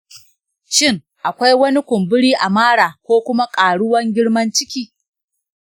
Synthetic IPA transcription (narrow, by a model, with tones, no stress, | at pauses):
ʃɪ˦ŋ | ʔa˨kʷa˦jwɐ˦ni˦kʷʊ˨mbʊ˦ɽiː˦ʔa˨maː˦ɽaː˨kʷoː˦kʷʊ˦ma˦kʼaː˨ɽʊ˦wɐ˦ŋɡʲɪ˦ɽmɐ˦nt͡ʃɪ˦kʲiː˦